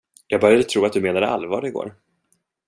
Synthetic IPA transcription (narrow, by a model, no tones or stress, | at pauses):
jɑːɡ̚bœɾjad̪ət̪ʰɾuːat̪d̪ɵmeːnad̪əa̰lvɑːɾəɪɡo̰ːɾ